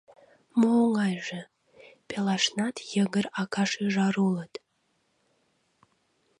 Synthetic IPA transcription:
muːŋɑjʒe | pʲelɑʃnɑt̪jəɡəɾɑkɑʃyʒɑɾulət̪

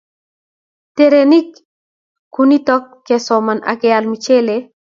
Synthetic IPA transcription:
teɾenikː | unitɔkːɛsɔmanʔa̰ɡealmit͡ʃele

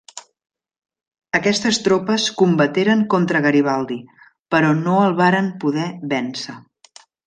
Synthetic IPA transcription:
əkɛst̪əst̪ɾopəskumbət̪eɾəŋkont̪ɾəɣəɾiβ̞alˠd̪i | pəɾɔnoəlˠβaɾəmpuðɛβɛnsə

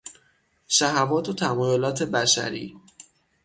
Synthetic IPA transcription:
ʃæɦævɒːt̪ʰot̪ʰæmɒːjolɒːt̪ʰe̞bæʃæ̰ɾḭː

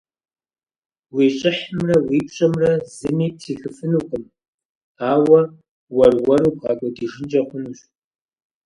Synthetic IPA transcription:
wiːɕʼɪħəmrɐwiːpɕʼɐmrɐzɨniːtʰiːxɨfɨnuːqʷʼʊm | aːwɐ | wɐrwɐɾuːbʁɑːkʷʼɔdiːʒɪnd͡ʒɐqʷʊnuːɕ

